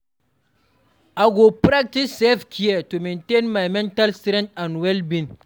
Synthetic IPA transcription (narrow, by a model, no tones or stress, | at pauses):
ʔaɡopɾak̚tisːɛfkʰijetumintenmajmɛntalstɾɛntanwɛlbin